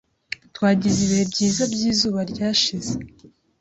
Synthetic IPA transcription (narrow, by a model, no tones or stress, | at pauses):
twaːɟiziβihe̞bɟiːzabɟiːzuːβaɾɟaːʃize